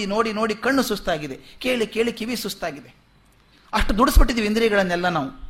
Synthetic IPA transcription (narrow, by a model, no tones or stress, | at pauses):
ino̞ːɽino̞ːɽikɐɳːusust̪aːɡid̪eke̞ːɭikeːɭikiʋisust̪aːɡid̪e | ɐʂʈud̪uɽisbiʈːid̪iːʋiind̪ɾijɡɐɭɐnːɛlːɐnaːʋu